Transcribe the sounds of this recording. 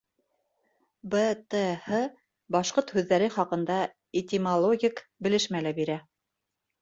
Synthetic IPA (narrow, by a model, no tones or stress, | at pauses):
bət̪əhɤ | bɑʃqoɾt̪hʉðːæɾɘχɑqɤ̆nd̪ɑ | et̪ʲimɐlˠoɡʲikbɘ̆lɘ̆ʃmælæbiɾæ